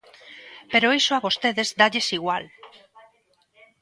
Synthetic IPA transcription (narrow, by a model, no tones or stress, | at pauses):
peɾoejsoaβost̪eðezd̪aʎesiɣwal